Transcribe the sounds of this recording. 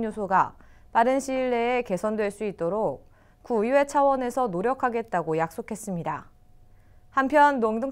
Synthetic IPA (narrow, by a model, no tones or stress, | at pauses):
osʰoɡapaɾɯnɕʰiɭːe̞ːke̞sʰʌndwe̞ɭs͈uit̚t͈oɾok̚ | kuiwe̞t͡ɕʰawʌne̞sʰʌnoɾjʌkʰaɡe̞t̚t͈aɡojak̚s͈okʰe̞s͈ɯmɲida | hampʰjʌnːoŋdɯŋ